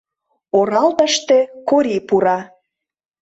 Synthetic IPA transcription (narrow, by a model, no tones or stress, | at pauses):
oɾɑlt̪ə̆ʃt̪ekoɾipuɾɑ